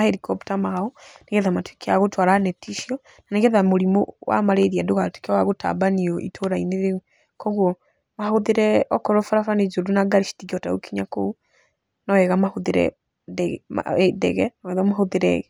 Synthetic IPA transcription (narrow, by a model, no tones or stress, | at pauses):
ahɛɾikɔptamaɔneɣɛðamatwekʰeaɣotwaɾanɛtʰiʃiɔ | naneɣɛðamoɾimowʔa̰maɾeðiadoɣatwe̥kawaɣota̰baniɔʔḭtʰoɾaineðeu | kɔɣwɔ | mahoðeɾɛɔkɔɾɔfaɾafaned͡ʒodunaɡaɾiʃi̥tiɣiɔtaokiɲako̰u | nɔwɛɣamahoðeɾɛ̰ | dɛma̰dɛ̰ɣɛnawɛðamahoðeɾɛ̰ɣɛ